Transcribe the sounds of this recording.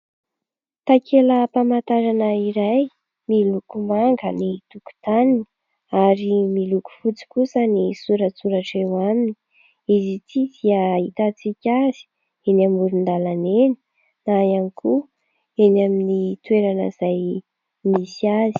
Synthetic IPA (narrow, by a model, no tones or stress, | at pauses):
t̪akʰeləpamant̪aɾanəiɾaj | milukumaŋɡənit̪uku̥t̪anini̥ | aɾimiluku̥fut͡si̥kusənisuɾət͡suɾaʈ͡ʂewamini̥ | izit̪ʰid̪̥iəit̪at͡sikʲazi̥ | enamuɾund̪alaneni̥ | najanikʰu | enaminit̪weɾanə̰zaj | misiazi̥